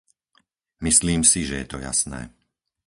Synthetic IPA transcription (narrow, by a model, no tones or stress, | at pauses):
misliːmsiʒɛjɛt̪ɔja̰snɛ̰ː